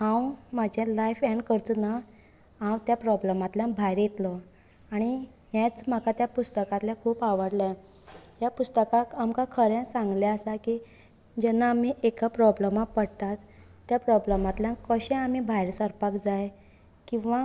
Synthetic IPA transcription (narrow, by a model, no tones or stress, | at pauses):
hãwmad͡ʑʱelajfɛɳɖkəɾt͡sna | ãwt̪japɾɔbləmat̪ljãbʱajɾjet̪lɔ | aɽ̃i | ɦjãt͡sm̤akat̪japust̪əkat̪ljakʰuːpaʋəɽlaj | japust̪əkakamkakʰəɾɛ̃sãŋɡleəsaki | d͡ʑɛnːaːm̤iʔekapɾɔbləmapəɽt̪at̪ːjapɾɔbləmat̪ljãkəɕɛ̃am̤ibʱajɾsəɾpakd͡zaj | kĩw̃ʋa